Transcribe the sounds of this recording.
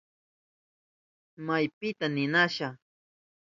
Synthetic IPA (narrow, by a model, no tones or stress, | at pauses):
majpɪt̪anɪnaʃa